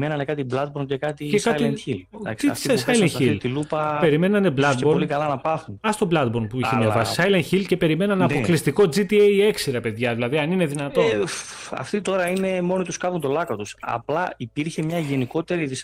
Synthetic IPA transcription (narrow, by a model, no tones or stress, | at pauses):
menɐnekɐt̪iblɐd̪̚boɾmcekɐt̪icekɐlilɐ̰isɐsɐjlɐnçilt̪ilupɐpe̞ɾime̞nɐneblɐt̪eboɾoliikɐlɐnɐpɐθunɐst̪o̞blɐd̪̚bo̞ɾmpuiçemjɐvɐsi̥sɐjlɐnçilce̞pe̞ɾime̞nɐnɐpo̞klist̪iko̞d͡zit̪iejeksiɾɐpe̞ðʝɐðilɐðiɐnine̞ðinɐt̪o̞ | ɐ̰ft̪it̪o̞ɾɐine̞mo̞nit̪uskɐvunt̪o̞lɐkot̪usɐ̰plɐipiɾçemɲɐʝe̞niko̞t̪e̞ɾiðis